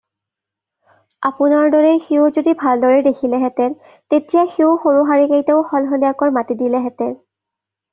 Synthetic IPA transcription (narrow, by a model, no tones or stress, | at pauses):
apʊnaɹdɔɹexeozodibʱaldɔɹedekʰilɛɦɛtɛɹ | tetijaxeoxoɹuɦaɹikejteʊxɔlɦɔndijakɔjmatidilɛɦɛtɛ